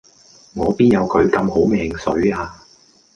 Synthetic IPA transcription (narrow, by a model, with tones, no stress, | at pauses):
ŋɔː˨˧piː˥njɐ˨˧wkʰɵ˨˧ɥkɐ˧mɦo˨˥wmɛː˧ŋsɵ˨˥ɥaː˧